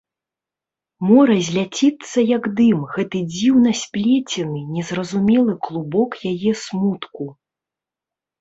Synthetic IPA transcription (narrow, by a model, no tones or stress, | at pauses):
mɔɾɐzʲlʲat͡sʲit̪sːɐjɐɡd̪ɨmɣɛt̪ɨd͡zʲiwnɐsʲpʲlʲet͡sʲɛnɨnʲɛzrɐzumʲɛlˠɨklˠubɔkjajɛsmut̪ku